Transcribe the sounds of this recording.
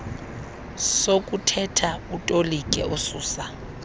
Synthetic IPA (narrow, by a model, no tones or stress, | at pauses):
sokʼutʰɛtʰautʼolikʼɛusuːsa